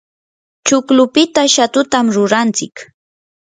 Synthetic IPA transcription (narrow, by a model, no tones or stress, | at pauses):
t͡ʃʊklʊpɪt̪aʃat̪ʊt̪amɾʊɾant͡sɪk